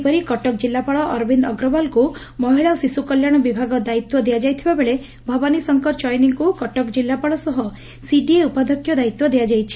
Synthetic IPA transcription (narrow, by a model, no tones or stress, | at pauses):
pɔɾikɔʈɔkd͡ʒilːapaɭɔʔɔɾbʱind̪ɔɡɾɔbalku | mɔɦiɭaosisukɔljaɽ̃ɔbibʱaɡɔd̪ait̪wɔd̪ejad͡ʒajt̪ʰibabeɭe | bʱɔbɔnisɔŋkɔɾt͡ʃɔjniŋkukɔʈɔkd͡ʒilːapaɭɔsɔɦɔ | siɖieupad̪ʱɔkʰːjɔd̪ait̪wɔd̪ejad͡ʒajt͡ʃʰi̥